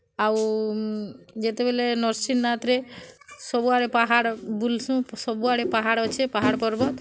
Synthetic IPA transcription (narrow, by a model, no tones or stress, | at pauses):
aw | d͡ʒet̪ebelenɔɾsinːat̪ɾesɔbuaɽepaɦaɽbulsũsɔbuaɽepaɦaɽɔt͡ʃʰepaɦaɽpɔɾbɔt̪